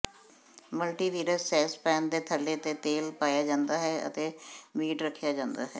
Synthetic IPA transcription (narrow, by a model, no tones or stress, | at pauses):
məlʈiːʋiːɾəsːɛːspɛ̃ːnd̪eːt̪ʰəlːeːt̪eːt̪eːlpaːjaːd͡ʒãːnd̪aːɦɛːə̰t̪eːmiːʈɾəkʰːjaːd͡ʒãːnd̪a̰ːɦɛ̰ː